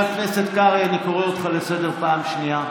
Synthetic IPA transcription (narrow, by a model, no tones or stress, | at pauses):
akneset̪kaʁianikoʁeot̪χalesedeʁpaːmʃnia